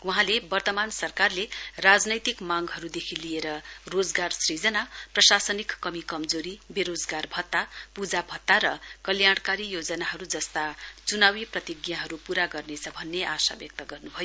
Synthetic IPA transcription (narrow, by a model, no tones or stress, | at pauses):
wuɦãlebʌrt̪ʌmansʌrkarlerad͡znʌjt̪ikmaŋɡɦʌɾud̪ekʰilijeɾʌrod͡zɡarsrid͡zʌnaprʌsasʌnikːʌmikʌmd͡zoɾibeɾod͡zɡarbʱʌt̪ːapud͡zabʱʌt̪ːaɾʌkʌljaɽ̃kaɾijod͡zʌnaɦʌɾud͡zʌst̪at͡sunawiprʌt̪iɡjaɦʌɾupuɾaɡʌrnet͡sʰʌbʱʌnːeʔasa̰bjʌk̚t̪ʌɡʌrnubʱʌjo